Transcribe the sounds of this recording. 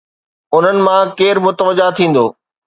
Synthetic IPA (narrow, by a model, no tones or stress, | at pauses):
ʊn̤ənɪ̆mãkeːɾmʊt̪əʋəd͡ʑat̪ʰĩːn̆d̪oː